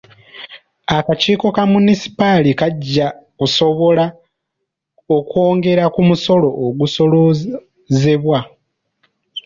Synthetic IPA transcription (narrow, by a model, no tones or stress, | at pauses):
akaciːko̞kamunisi̥palikaɟːakuso̞βo̞la | okwo̞ːŋɡe̞ɾakumuso̞lo̞ʔːɡuso̞lo | ze̞βwa